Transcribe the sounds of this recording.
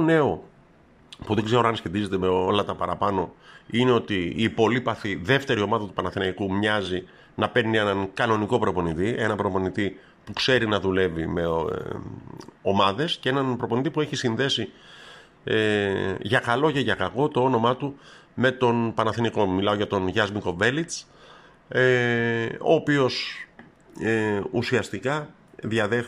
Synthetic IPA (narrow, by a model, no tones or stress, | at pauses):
one̞o̞ | puðeɡze̞ɾoɐnsçe̞t̪ize̞t̪e̞me̞olɐt̪ɐpɐɾɐpɐno̞ine̞o̞t̪iːpo̞lipɐθiðe̞ft̪e̞ɾio̞mɐðɐt̪u̥pɐnɐθinɐikumɲɐzi | nɐpe̞ɾnie̞nɐŋkɐno̞niko̞pɾo̞po̞nit̪iʔe̞nɐpɾo̞po̞nit̪i | pukse̞ɾinɐðule̞vime̞ | o̞mɐðe̞sce̞e̞nɐnpɾo̞po̞nit̪ipue̞çisinðe̞si | ʝɐkɐlo̞ce̞ʝɐkɐɣo̞t̪oono̞mɐt̪ume̞t̪o̞npɐnɐθinɐko̞milɐo̞ʝɐt̪o̞nʝɐzmiko̞ve̞lit͡s | o̞̰ːpio̞s | usiɐst̪ikɐ | ðiɐðe